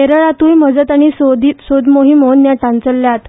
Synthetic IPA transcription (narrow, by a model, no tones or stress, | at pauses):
eɾəɭat̪uːjməd͡zət̪aɽ̃isod̪isod̪moɦimonːjaʈãnt͡səlːjat̪